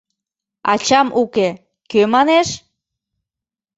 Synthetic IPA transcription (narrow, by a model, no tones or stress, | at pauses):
ɑ̰t͡ɕɑmʔuke | kømɑneʃ